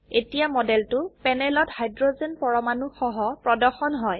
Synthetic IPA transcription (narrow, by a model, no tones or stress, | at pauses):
etijamɔdɛltʊpɛnɛlɔthajdɹozenpɔɹɔmanuxɔɦɔpɹɔdɔɹxɔnɦɔj